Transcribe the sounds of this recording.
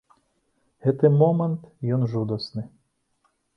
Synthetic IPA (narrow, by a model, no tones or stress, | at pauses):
ɣɛt̪ɨmɔmɛnt̪jɔnʐud̪ɔsnɨ